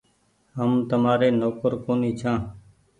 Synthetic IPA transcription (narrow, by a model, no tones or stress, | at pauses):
ɦəmt̪əmaːɾeːnoːkəɾkoːniːt͡ʃʰãː